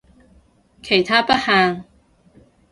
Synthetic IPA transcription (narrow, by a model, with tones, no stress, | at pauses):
kʰe˨˩jt̪ʰaː˥pɐ˥t̚haː˨˧ŋ